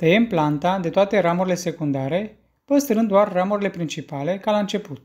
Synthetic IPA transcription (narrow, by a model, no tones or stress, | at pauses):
t̪əjemplant̪ad̪e̞t̪oat̪e̞ɾamuɾile̞se̞kund̪aɾe̞ | pəst̪ɾɨnd̪ːoarːamuɾile̞pɾint͡ʃipale̞kalant͡ʃe̞put̪̚